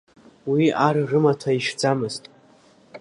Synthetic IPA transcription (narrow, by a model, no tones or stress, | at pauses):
wiarrɨmatʰaiʃd͡zamɨztʼ